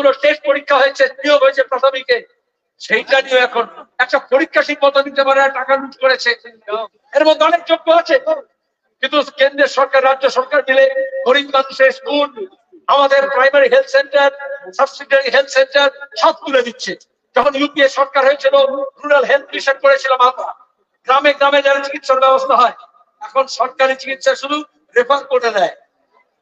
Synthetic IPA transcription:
uloʃeʃpoɾikʰːaɦojet͡ɕʰenioɡɦoet͡ɕʰepɾat̪ʰomike | ʃejʈanioɛkʰonɛk̚ʈapoɾikʰːaʃik̚mɔt̪ad̪it̪epaɾeaʈakanuʈʰkoɾet͡ɕʰe | eɾmot̪d̪ʱɔnek̚d͡ʑoɡːoat͡ɕʰe | kint̪ukend̪ɾeʃɔɾkaɾːadːoʃɔɾkaɾnileɦoɾinmanuʃeɾskul | amad̪eɾpɾajmaɾiɦelt̪ʰseɳʈaɾsɐbsiʈeɾiɦelt̪ʰsenʈaɾʃɔb̪̚t̪uled̪itːɕʰe | d͡ʑɔkʰonjupieʃɔɾkaɾɦojet͡ɕʰilokɾunalɦelt̪̚liʃeʈ̚koɾet͡ɕʰiloma | ɡɾameɡɾamed͡ʑanet͡ɕikit̪ʃaɾbɛbost̪ʰaɦɔe | ɛkʰonʃɔɾkaɾit͡ɕikit̪ʃaʃud̪u | ɾepʰaɾkoɾt̪ʰed͡ʑae

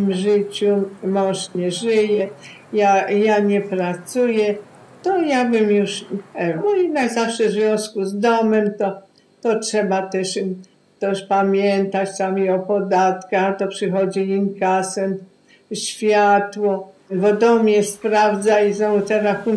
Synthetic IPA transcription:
mʐɪt͡ɕumɔʂsɲɛʐɪjɛ | jajaɲɛpɾat̪sujɛ | t̪ɔjabɘmjuʂɛnɔinazafʂɛzvʲjɔ̃w̃skuzd̪ɔmɛmt̪ɔ | t̪ɔtʂɛbat̪ɛʂ | t̪ɛʂpamʲjɛnt̪at͡ɕt̪amiɔpɔd̪at̪kaxt̪ɔpʂɨxɔd͡ʑiimkasɛn | ɕfʲjat̪wɔ | bɔd̪ɔmɲɛspɾavd̪zaizɔ̃t̪ɛɾaxun

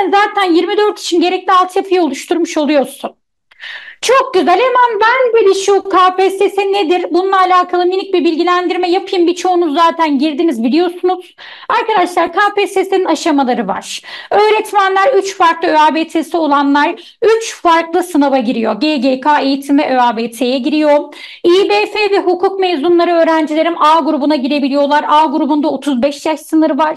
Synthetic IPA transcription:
nzaːt̪ʰænjiɾmid̪ø̞ɾt̪ʰi̥t͡ʃʰinɟe̞ɾɛclʲialˠt̪ʰjapʰɯjaolˠuʃt̪ʰuɾmuʃo̞lˠujo̞ɾsun | t͡ʃʰok̚ɟyzælʲemanbænbilʲiʃuːkʰaːpɛsesined̪iɾbununˠaːlʲaːkʰalˠɯminʲic̚bibilʲɟilʲænd̪iɾmɛjapʰɯjɯmbit͡ʃʰo̞unuzːaːt̪ʰænɟiɾd̪inizbilʲijo̞sunuz̥ | aɾkad̪aʃlˠaɾkʰaːpɛsesininaʃamalˠaɾɯva̰ɾ̥ø̞ːɾɛt̪ʰmænlʲæɾyt͡ʃfaɾklˠɯøaːbeːt̪ʰesio̞lˠanlˠaɾ | yt͡ʃfaɾklˠɯsɯnavaɟiɾijo̞ɟeɟekʰaːe̞jit̪ʰimɛʔøaːbeːt̪ʰejɛɟiɾijo̞ɾum | iːbeːfevɛɦukʰuk̚mezunlˠaɾɯø̞ːɾænd͡ʒilʲe̞ɾimaːɡuɾubunaɟiɾe̞bilʲijo̞lˠaɾaːɡuɾubund̪aot̪ʰuzbɛʃjaʃsɯnɯɾɯvaɾ̥

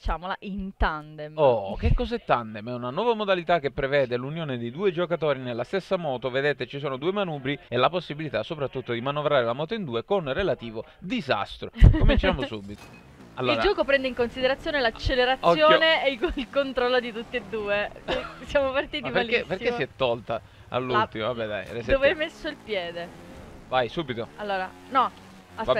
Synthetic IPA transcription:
t͡ʃaːmolaʔint̪and̪emok̟ekːɔzɛt̪ːand̪emɛunanwɔːvamod̪alit̪ak̟ːepːɾevɛːd̪elunjoːned̪ejd̪uːed͡ʒokat̪oːɾinelːast̪esːamɔːt̪oved̪eːt̪et͡ʃisoːnod̪uːemanuːbɾielːaposːibilit̪asːopɾat̪ːut̪ːod̪imanovɾaːɾelamɔːt̪̬oind̪uːekonrelat̪iːvo | d̪iza̰st̪ɾokomint͡ʃaːmosubːit̪o̥ | alːoɾd͡ʒɔːkopɾɛnd̪eiŋkonsid̪eɾat̪sːjoːnelat͡ʃːeleɾat̪sjoːneeilkont̪ɾɔlːod̪it̪ut̪ːeed̪ːuːesjamopart̪iːt̪ibaleperkːessːiɛt̪ːɔlt̪a | a̰lːut̪imovabːɛd̪a̰jresd̪ovɛmesːoilpjɛːd̪e | vajsubit̪oalːoːɾa | nɔ | asa

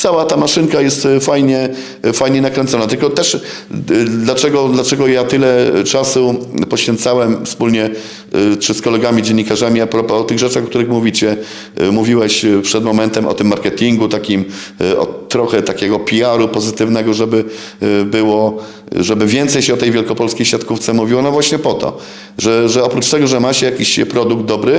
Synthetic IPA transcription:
t̪sawat̪amaʂɘŋkajɛst̪fajɲɛ | fajɲɛnakɾɛnt̪sɔnat̪ɘlkɔt̪ɛʂ | d̪lat͡ʂɛɡɔd̪lat͡ʂɛɡɔjat̪ɘlɛt͡ʂasupɔɕfʲjɛ̃nt̪sawɛmfspulɲɛ | t͡ʂɘskɔlɛɡamʲid͡ʑeɛɲːikaʐamʲiapɾɔpɔːt̪ɘɣʐɛt͡ʂaxkt̪uɾɘxmuvʲit͡ɕɛ | muvʲiwɛɕpʂɛd̪mɔmɛnt̪ɛmʔɔ̰t̪ɘmːaɾkɛt̪ʲiŋɡut̪akʲim | ɔ̰t̪ɾɔxɛt̪akʲɛɡɔpʲiaɾupɔzɘt̪ɘvnɛɡɔʐɛbɘ | bɘwɔ | ʐɛbɘvʲjɛnt̪sɛjɕɛɔt̪ɛjvʲjɛlkɔpɔlskʲejɕʲjat̪kuft̪sɛmuvʲiwɔnɔvwaɕɲɛpɔt̪ɔ̰ | ʐɛʐɛɔpɾut͡ʂt̪ɛɡɔʐɛmaɕɛjakʲiɕpɾɔd̪uɡ̚d̪̚d̪ɔbɾɘ

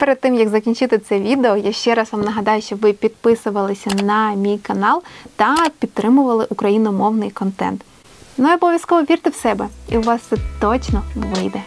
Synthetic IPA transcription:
peɾed̪̚t̪ːɪmjɐɡzɐkʲinʲt͡ʃɪt̪ɪt̪sɛʋʲid̪eɔjaʃt͡ʃɛɾɑsʋɑmnɐɦɐd̪ɑjʊʃt͡ʃɔʋɪpʲid̪pɪsʊʋɐlˠɪsʲɐnɐmʲijkɐnɑlˠt̪ɐpʲid̪̚t̪ɾɪmʊʋɐlˠɪʔukɾɐjinɔmɔwnɪjkɔnt̪ɛ̰nt̪ | nujɔbɔʋʲjɐskɔʋɔʋʲirt̪ɪwsɛbɛiwʋɑst̪sɛt̪ɔt͡ʃnɔʋɪjd̪ɛ

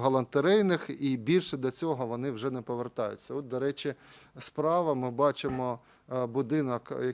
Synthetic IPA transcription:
ɦɔlˠɐnt̪eɾɛjnɪxibʲilʲʃɛd̪lʲɐt͡sʲɔɦɔʋɔnɪwʒɛnɛpɔʋert̪ɑjʊ̰t͡sʲːɐɔt̪̚d̪ɔɾɛt͡ʃʲɪ | spɾɑʋɐmɪbɑt͡ʃɪmɔ | bʊd̪ɪnɔkjɐ

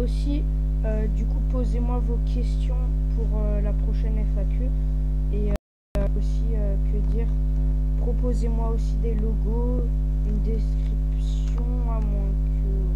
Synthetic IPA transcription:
osi | ød̪ykupozemwavokʲʰɛst̪jɔ̃ | puʁølapχɔʃɛnɛfakʲʰø | e | øosiøkʰəd̪iʁ | pχɔpozemwaosid̪eloɡo | ynd̪eskχips | jɔ̃ | amwɛ̃kʲʰ | ø

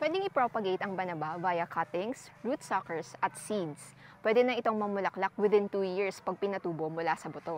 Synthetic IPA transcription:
pwɛd̪ɪŋɪpɹopɐɡejt̪ɐŋbɐnɐbavajɐkʰɐt̪ɪŋs | ɹut̪sɐkɛɹsʔɐt̪̚sid̪s | pwɛd̪ɛnɐʔɪt̪o̞ŋmɐmʊlɐklak̚wɪd̪ɪ̃nt̪uːjiɹspɐɡ̚pɪnɐt̪uːbomʊlasɐbʊt̪o̞

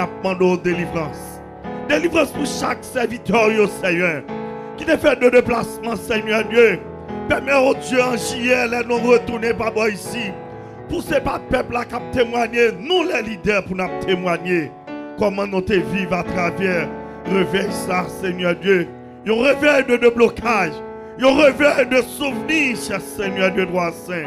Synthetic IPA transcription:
ap̚mɑ̃d̪od̪elivʁɑ̃s | d̪elivʁɑ̃spuʃaksɛʁvit̪ɛʁjosɛɲœʁ | kit̪efɛʁd̪ød̪eplasmɑ̃seɲœʁd̪jø | pɛmɛod̪jøɑ̃ʒijɛlɛnɔ̃ʁət̪uʁnepabɔisi | pusepad̪̚pœplakap̚t̪emwaɲenũlɛlid̪ɛʁpunap̚t̪ʰemwaɲe | kɔmɑ̃nɔ̃t̪evivat̪χavɛʁ | ʁevɛjsaseɲœʁd̪jø | jɔ̃ʁevɛjd̪ød̪øblokʰaʒ | jɔ̃ʁevɛjd̪øsuvniʃɛʁseɲœʁd̪jød̪wasɛ̃

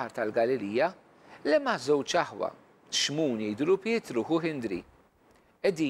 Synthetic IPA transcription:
ɐɾt̪ɐlɡɐlɪliːjɐ | lɛmɐzɛwt͡ʃɐħwɐ̰ | ʃmuːnɛːd̪ʊlʊpjɪːt̪ɾʊːɦʊɦɪnd̪ɾḭ | ɛd̪iː

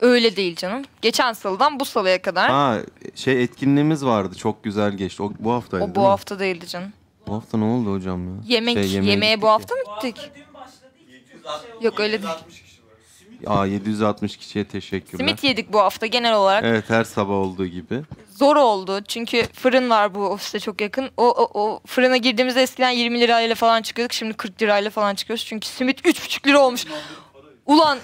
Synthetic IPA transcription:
ø̞jlʲɛd̪e̞jilʲd͡ʒanɯmɟ̥et͡ʃʰænsɯlˠd̪anbusabajakʰad̪aɾaʃejɛt̪cʰinlʲiːmizvaɾd̪ɯt͡ʃʰo̞k̚ɟyzælʲɟɛt͡ʃt̪iobuhaft̪ʰajobuhaft̪ʰad̪e̞jilʲd̪ɯd͡ʒanɯm | buɦaft̪ʰanɛolˠd̪uho̞d͡ʒamjajemɛejemejɛbuhaft̪ʰamɯɟit̪ʰːɪc | jokøjlʲed̪e | aje̞d̪ijyzat̪mɯʃcʰi̥ʃijɛt̪ʰeʃɛcʲʰːyɾsimit̪ʰjed̪ic̚buɦaft̪ʰaɟe̞nɛlʲo̞lˠaɾakʔevɛt̪hæɾsabaholˠd̪uːɟibɪzo̞ɾo̞lˠd̪ʊt͡ʃʰyɲcʰyfɯɾɯnvaɾbuofi̥st̪ɛt͡ʃʰo̞kjakʰɯnoʔʔofɯɾɯnaɟiɾd̪iːmizɛɛscid̪ænjiɾmilʲiɾalʲlʲˠɛfalˠant͡ʃʰɯ̥kʰɯjo̞d̪ukʃimd̪ikʰɯɾklʲiɾaːjlʲˠafalˠant͡ʃʰɯ̥kʰɯjod̪u̥z̥t͡ʃʰyɲcʰy̥simit̪yt͡ʃbʰy̥t͡ʃʰy̥cʲlʲiɾo̞lˠmuʃ | ulˠan

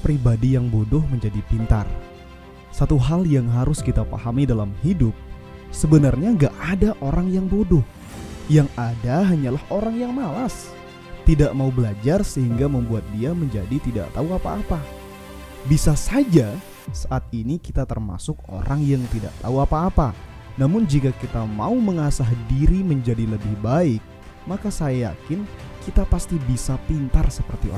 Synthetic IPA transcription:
pɾibadijaŋbodʊhməɲd͡ʒadipint̪a̰r | sat̪uɦaljaŋɦaɾʊskit̪afa̰ɦamidalamhidʊp̚ | səbənarɲaŋɡaʔadaʔoɾaŋjaŋbodʊh | jaŋadaɦaɲalahoɾaŋjaŋmalas | t̪idaʔmaubəlad͡ʒarsəɦiŋɡaməmbuat̪̚diaməɲd͡ʒadit̪ida̰ʔt̪auapaːpa | bisasad͡ʒa | saʔat̪̚inikit̪at̪ərma̰sʊko̰ɾaŋjaŋt̪ida̰ʔt̪auapaːpa | namʊnd͡ʒikakit̪amauməŋasaɦdiɾiməɲd͡ʒadiləbɪhbaɪk̚ | makasajaja̰kɪnkit̪apast̪ibisapint̪arsəpərt̪ḭ

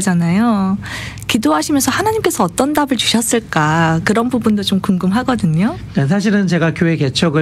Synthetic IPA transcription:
d͡ʑanajo | kidoɦaɕʰimjʌnsʰʌhanaɲimk͈e̞sʰʌːt͈ʌndabɯɭt͡ɕu̥ɕʰʌs͈ɯɭk͈akɯɾʌnbubundot͡ɕomkuŋɡɯmɦaɡʌdɯɲo | kas̬ʰaɕ̬ʰiɾɯnt͡ɕe̞ɡakjoɦe̞ke̞t͡ɕʰʌɡɯ

